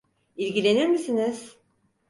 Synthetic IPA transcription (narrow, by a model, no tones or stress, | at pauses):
ilʲɟʲilʲe̞niɾmisiniz̥